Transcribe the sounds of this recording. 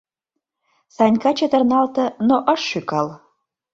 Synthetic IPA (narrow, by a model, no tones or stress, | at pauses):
sɑnʲkɑt͡ɕə̆t̪ərnɑlt̪ə̆noʔəʃːykɑl